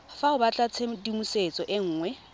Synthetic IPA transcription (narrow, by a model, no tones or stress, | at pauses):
faʊbat͡ɬʼat͡sʰedimuset͡sʼɔʔɪŋ̩ːŋwɛ